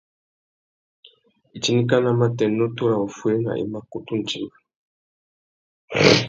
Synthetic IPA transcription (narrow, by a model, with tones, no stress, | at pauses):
i˨t͡ʃi˦ni˦k̬a˦na˨ma˦tɛ˨nɔ˦to˦ɾa˨o˨fwe˦na̰˨ʔḭ˨ma˦ko˨tu˦n̩˨t͡ʃi˨ma˨